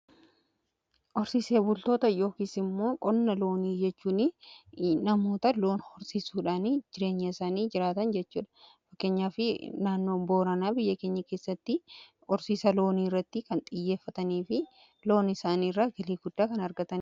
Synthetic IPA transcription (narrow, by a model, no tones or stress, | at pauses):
ʔɔɾsise̞ːbʊlt̪o̞ːt̪ɐjo̞ːkiːsɪmːo̞ːkʼɔnːɐlo̞ːniːd͡ʒɛt͡ʃːuːnɪ | nɐmo̞ːt̪ɐlo̞ːnhɔɾsiːsuːᶑaːnid͡ʒɪɾe̞ːɲːɐɪsaːniːd͡ʒɪɾaːt̪ɐnd͡ʒɛt͡ʃːuːᶑɐ̥fɐkːe̞ːɲːaːfɪnaːnːo̞ːbo̞ːɾɐnaːbɪjːɐke̞ːɲːɐke̞ːsːɐt̪ːɪ | ɔɾsiːsɐlo̞ːniːrːɐt̪ːɪkɐnt̪ʼɪjːe̞ːfːɐt̪ɐniːfɪ | lo̞ːnɪsaːnirːaɡɪliːɡʊd̪ːaːkɐnɐɾɡɐt̪ɐn